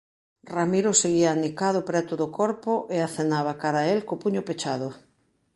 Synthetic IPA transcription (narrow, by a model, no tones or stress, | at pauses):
ramiɾʊseɣ̞iaːnikaðʊpɾɛt̪ʊðʊkɔɾpʊʔeaθenaβakaɾaelkopuɲʊpet͡ʃaðʊ